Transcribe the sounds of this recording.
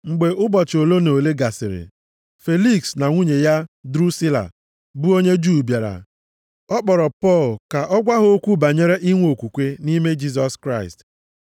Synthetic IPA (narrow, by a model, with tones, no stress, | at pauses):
ŋ͡m̩˨ɡ͡be˨ʊ˦bɔ˨t͡ʃo˨lo˦no˨le˦ɡa˨sɪ˨ɾɪ̰˨ | fe˦li˦ksna˨ŋʷu˦ɲe˨ja˦dɾu˦si˦la̰˨ | bu˦o˦ɲe˦d͡ʒu˦˨bja˨ɾa̰˨ | ɔ˦k͡pɔ˨ɾɔ˨pɔ˦˨lka˨ʔɔ˦ɡʷa˦ɦo˦kʷu˦ba˨ɲe˦ɾe˦ʔi˦ŋʷ˦o˨kʷu˨kʷe˦ni˦me˦d͡ʒi˦s̬ɔ˨skɾa˦ɪ˨st